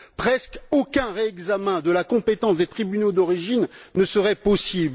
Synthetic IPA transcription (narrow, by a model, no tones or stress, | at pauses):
pχɛskokʲɛ̃ʁeɛɡzamɛ̃d̪əlakɔ̃pet̪ɑ̃sd̪et̪χibynod̪ɔʁiʒinːəsəʁɛpɔsibl